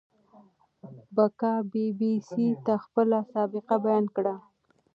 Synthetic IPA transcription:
bakɑbibisit̪axpəlasɑbɪqabajɑnkɽa

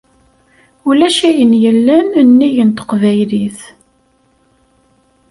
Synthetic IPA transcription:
ulæʃæjənjəlːænnːijənt̪ə̥qvæjliθ

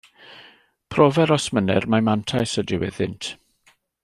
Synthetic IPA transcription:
pʰrɔvɛɾɔsmənɛrmamantʰajsədɪwɛ̰ðɪntʰ

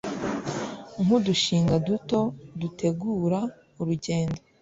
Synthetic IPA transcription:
ŋuduʃiːŋɡaduto̞dutʰe̞ɡuːɾa | uɾuɟe̞ːndo

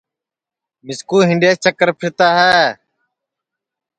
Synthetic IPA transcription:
mɪskuːɦɪɳɖeːst͡ʃəkəɾpʰɪɾt̪aːɦɛː

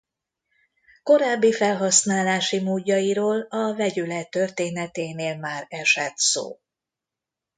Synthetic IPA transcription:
ko̞ɾaːbːifɛlɦɒsnaːlaːʃimoːɟːɒiɾoːlɒvɛɟylɛt̪ːørt̪eːnɛt̪eːneːlmaːɾɛʃɛt̪so̰ː

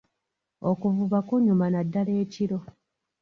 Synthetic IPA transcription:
okuvuβakoɲumanadːale̞ːciɾo̞

